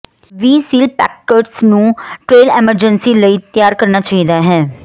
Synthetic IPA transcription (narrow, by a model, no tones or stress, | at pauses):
ʋiːsiːlpɛ̰ːkːəɾʈsnũːʈɾeːlɛməɾd͡ʒənsiːləiːt̪jaːɾkəɾnaːt͡ʃaːɦid̪aːɦɛː